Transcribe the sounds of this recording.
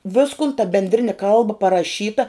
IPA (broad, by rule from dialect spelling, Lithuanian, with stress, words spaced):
ˈʋʲɪskoːn tɐ bʲɛnʲdʲˈrʲɪnʲɪ ˈkɐlˠbɐ pɐrɐˈʃʲiːtɐ